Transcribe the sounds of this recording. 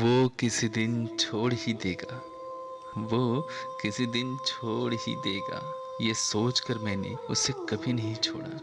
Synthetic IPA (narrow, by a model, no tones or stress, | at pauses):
ʋokɪsid̪ɪnt͡ʃʰoːɽɦid̪eːɡaː | ʋoːkɪsid̪ɪnt͡ʃʰoːɽɦḭd̪eːɡa̰ː | jesoːt͡ʃkɐɾmɛ̃ːnḛʊ̰sekɐbʱinɐɦĩt͡ʃʰoːɽa̰ː